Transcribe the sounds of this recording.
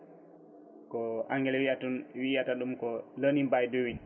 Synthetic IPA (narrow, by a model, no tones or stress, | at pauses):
kɔaŋɡɛlɛwiatuwijataɗumkɔlənimbajdowin